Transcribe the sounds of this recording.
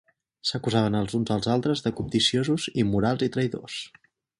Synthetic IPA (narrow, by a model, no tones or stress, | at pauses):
səkuzaβ̞ənəlˠzunzəlˠzalˠt̪ɾəzðəkup̚d̪isiozuzimuɾalˠzit̪ɾəjðo̰s